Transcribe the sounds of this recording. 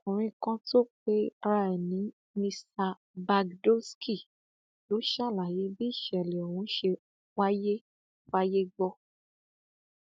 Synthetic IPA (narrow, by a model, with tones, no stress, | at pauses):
ũ˨ɾ̃ĩ˧kã˦to˦k͡pe˦a˧ɾa˧ɛ˨nĩ˨˦ | mĩ˧sa˧ | ba˧ɡdo˦skʰi˦˨ | lo˨˦ʃa˦˨la˨je˨˦bi˦i˦˨ʃɛ˨lɛ˨ɔ˨wũ˨˦ʃe˧ | wa˦je˦ | wa˦je˦ɡ͡bɔ˧